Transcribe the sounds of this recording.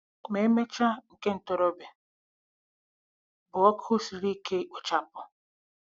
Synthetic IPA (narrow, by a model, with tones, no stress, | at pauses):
me˦me˦t͡ʃa˦ŋ̩˨ke˦n̩˨tɔ˨ɾo˦be˨ | bʊ˨ɔ˦kʰʊ˦si˨li˦kʰe˦ʊ˨t͡ʃa˦pʊ˨